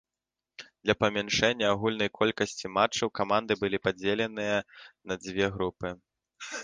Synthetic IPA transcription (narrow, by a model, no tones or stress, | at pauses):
d̪̥lʲɐpɐmʲɛnʂɛnʲːɐaɣulʲnɐjkʰɔlʲkɐsʲt͡sʲimat͡ʂːɐwkamand̪ɨbɨlʲipad͡zʲelʲɛnɨjɐnɐd͡zʲvʲɛɣɾupɨ